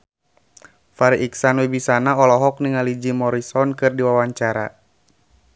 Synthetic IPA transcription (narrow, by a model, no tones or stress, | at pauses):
faɾiʔiksanwebisanaɔlɔɦɔk̚niŋalid͡ʒimɔɾisɔnkɨrdiwawaɲt͡ʃaɾa̰